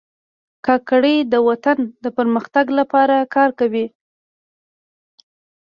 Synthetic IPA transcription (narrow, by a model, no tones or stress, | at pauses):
kɑkaɽəjd̪əwat̪and̪əpəɾməxt̪aɡlapɑɾakɑɾkawi